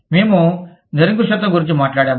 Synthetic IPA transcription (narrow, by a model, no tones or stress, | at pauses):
meːmu | d̪ʱɐɾiŋk̬uʃɐt̪ːɐŋɡuɾiɲt͡ʃimaːʈlaːɽaːm